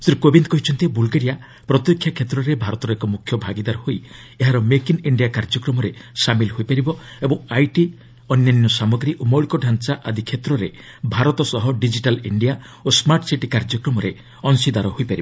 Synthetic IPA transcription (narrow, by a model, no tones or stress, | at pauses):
sɾikobind̪kɔɦit͡ʃʰɔnt̪ibulɡeɾija | pɾɔt̪jɔkʰːjakʰet̪ɾɔɾebʱaɾɔt̪ɔɾɔekɔmukʰjɔbʱaɡid̪aɾɔhoj | eɦaɾɔmekiniɳɖijakaɾd͡ʒɔkɾɔmɔɾesamilɦojpaɾibɔebɔŋajʈi | ɔnjanjɔsamɔɡɾiʔomɔlkɔɖʱant͡ʃaʔad̪ikʰet̪ɾɔɾe | bʱaɾɔt̪ɔsɔɦɔɖid͡ʒiʈalḭɳɖija | osmaɾʈsiʈikaɾd͡ʒɔkɾɔmɔɾe | ɔŋsid̪aɾɔɦojpaɾibɔ